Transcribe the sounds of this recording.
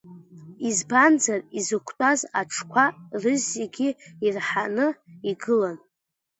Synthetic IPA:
izband͡zarizɨkʷʰtʼazaʈ͡ʂʰkʷʰarɨzːeɡʲiirħanɨiɡɨlan

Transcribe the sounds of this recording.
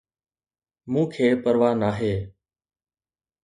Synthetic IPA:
mũːkʰeːpəɾʋaːnaːɦeː

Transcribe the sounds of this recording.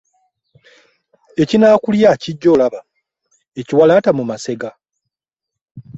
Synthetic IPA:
e̞cinaːkuljaciɟːo̞ːlaβa | e̞ciwalaːtamumase̞ɡa

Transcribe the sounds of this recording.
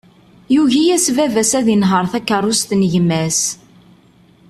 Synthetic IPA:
juʝijæsvævæsæðinɦəɾˤθækːərˤːʊst̪nəʝmæs

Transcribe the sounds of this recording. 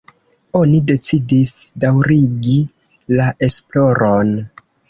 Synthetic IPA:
o̞nide̞t͡sidisdawɾiɡi | laʔe̞splo̞ɾo̞n

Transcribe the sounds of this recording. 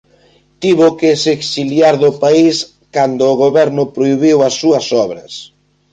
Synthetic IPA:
t̪iβʊkeseksiljaɾðʊpais | kand̪ʊːɣoβɛɾnʊpɾoiβiwɐsːuɐsɔβɾɐs

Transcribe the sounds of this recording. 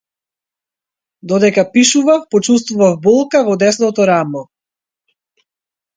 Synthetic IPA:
d̪ɔd̪ɛkapiʃuvafpɔt͡ʃust̪vuvavbɔlˠkavɔd̪ɛsnɔt̪ɔɾamɔ

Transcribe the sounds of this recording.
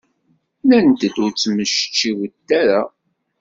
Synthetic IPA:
lænt̪əd̪ʊɾt͡sːməʃə̥t͡ʃːiwt̪ːæɾa

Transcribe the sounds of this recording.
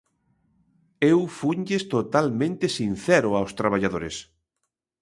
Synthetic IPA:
ewfuɲʎest̪ot̪almẽnt̪esinθɛɾʊawst̪ɾaβ̞aʎaðoɾes

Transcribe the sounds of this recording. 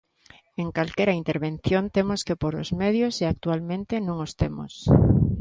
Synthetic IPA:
eŋkalkeɾaint̪eɾβẽnθjont̪emoskepoɾo̰zmeðjoseak̚t̪ualmẽnt̪enõŋost̪emo̰s

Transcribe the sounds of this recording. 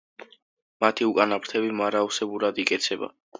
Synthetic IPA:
mat̪ʰiukʼanapʰɾt̪ʰɛbimaɾausɛbuɾad̪ikʼɛt̪sʰɛba̰

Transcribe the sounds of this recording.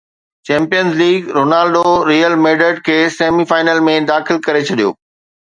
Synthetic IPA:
t͡ɕɛ̃ːmpijənzliːɡɾoːnaːlɖoɾiːəlmeːɖəɖ̚kʰeːseːmifaːɪnəlmẽd̪aːxɪlkɐɾet͡ɕʰɐɗijo̰ː

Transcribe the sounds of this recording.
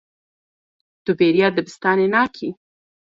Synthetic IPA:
d̪̥ubeɾjɑd̪əbɪst̪ɑnenɑkʰi

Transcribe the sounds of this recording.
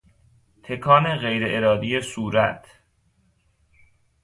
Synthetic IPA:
t̪ʰe̞kʰɒːneɣejɾeʔeɾɒːd̪ijesuːɾæt̪ʰ

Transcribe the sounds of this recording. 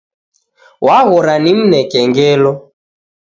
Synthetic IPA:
wʔaɣɔɾanim̩nɛkɛŋɡɛlɔ

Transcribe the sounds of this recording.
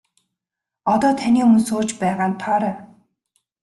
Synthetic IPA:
ɔt̪ɔːt̪ʰaniːmɵnsʊːt͡ɕpæːʁaːnt̪ʰaːɾaː

